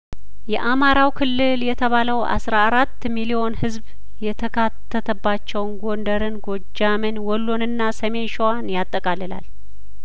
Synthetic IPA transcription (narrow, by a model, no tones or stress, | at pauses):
jɛʔamaɾawkʰɨlːɨljɛt̪ʰəβaləwʔa̰sɾaːɾat̪ːmilio̞nhɨzb | jɛt̪ʰəkʰat̪ːət̪ʰəbːat͡ʃːɛwnɡo̞nd̪əɾɨnɡo̞d͡ʒːamɨnwɔlːonɨnːasəme̞nʃowanjat̪ʼːəkʼalːɨla̰l